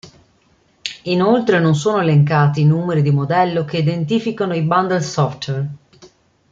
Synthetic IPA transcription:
inolt̪ɾenons̬oːnoeleŋkaːt̪iːnuːmeɾid̪imod̪ɛlːokeid̪ent̪iːfikanoiband̪elsɔft̪wer

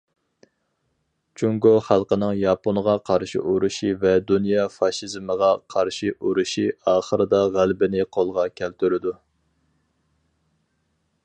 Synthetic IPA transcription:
t͡ʃʰuŋɡoχælˠqənɨŋjɑponʁɑqʰɑɾʃḭʔuɾuʃivɛd̪unjɑfɑʃizməʁɑqʰɑɾʃiʔuɾuʃiɑːχəɾɨd̪ɑʁælbɪnɪqʰolˠʁɑkʲʰælt̪ʰyɾɪd̪u

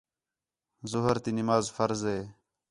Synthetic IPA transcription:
zʊɦəɾt̪inimaːzfəɾzeː

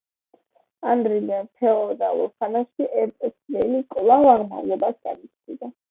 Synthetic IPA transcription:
and̪ɾilianp̪ʰɛɔd̪a̰ṵɾχanaʃiʔɛɾt̪ʼsvɛlikʼlˠavaɾma̰vlɛbasɡa̰nit̪sʰdid̪a

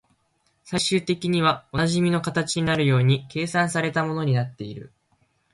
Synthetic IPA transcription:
saiɕɨːt̪e̞kʲiɲ̟iβ̞ao̞naʑimʲino̞kat̪at͡ɕiɲ̟inaɾɯ̟jo̞ːɲ̟ike̞ːsãɰ̃saɾe̞t̪amo̞no̞ɲ̟inat̪ːe̞iɾɯ̟̰

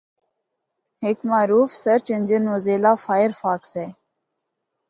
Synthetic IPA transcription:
hekmaːɾuːfsəɾt͡ʃənʲd͡ʒənoːzeːlaːfaːjəɾfaːksɛː

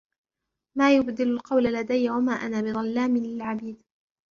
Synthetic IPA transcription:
maːjʊbd̪ɪlʊlqɑwlalad̪ajːwamaːʔanaːbɪðˤɑlːaːmɪlɪlʕabiːd̪

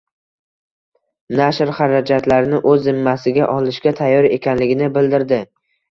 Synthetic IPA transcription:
naʃɾχaɾad͡ʒat̪laɾɪnɪʔɵzːɪmːasɪɡʲaʔɒlɪʃɡʲat̪ʰajːɒɾe̞kʲʰanlɪɡʲɪnɪbɪld̪ɪɾd̪ɪ

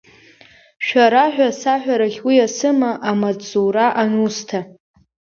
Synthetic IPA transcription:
ʃᶣaɾaħᶣʷasaħʷᶣaɾaχʲwiasɨmaʔamat͡sʼuɾaʔanustʰa

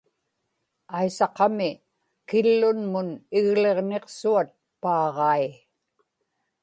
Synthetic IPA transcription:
ajsɑqɑmɪ | kɪlːʊnmʊnɪɣle̞ʁne̞qsuat̪̚pɑːʁɑi

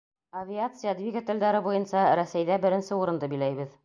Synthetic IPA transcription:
ɐvʲiat̪sɨjad̪vʲiɡat̪ɘ̆ld̪æɾɘbujɤnsɑɾæsæjðæbɘ̆ɾɘ̆nsɘuɾɤ̆nd̪ɤbɘ̆jlæjβɘð

